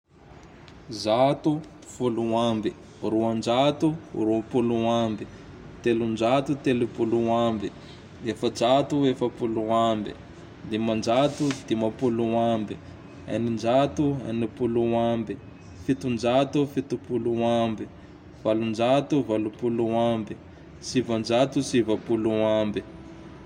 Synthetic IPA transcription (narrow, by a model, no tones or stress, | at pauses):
zat̪u | fuluambi | ɾuand͡ʒat̪urupuluambi | t̪elund͡ʒat̪ut̪elupuluambi | efəd͡ʒat̪uefəpuluambḭ | d̪emand͡ʒat̪ud̪imapuluambi | a̰nind͡ʒat̪ua̰nipuluambi | fit̪und͡ʒat̪ufit̪upuluambi | v̥alund͡ʒat̪uvalupuluambi | sivand͡ʒat̪usivapuluambi